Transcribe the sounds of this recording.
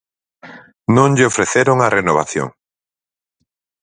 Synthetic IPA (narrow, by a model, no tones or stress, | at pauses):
nõŋʎɪofɾeθeɾoŋarenoβa̰θjo̰ŋ